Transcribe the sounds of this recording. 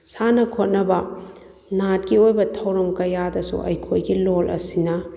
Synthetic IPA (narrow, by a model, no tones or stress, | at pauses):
sanɐkʰot̚nɐbɐ | nat̚kiojbɐtʰɐwɾɐmkɐjadɐsṵʔɐ̰jkʰojɡilolʔɐ̰sinɐ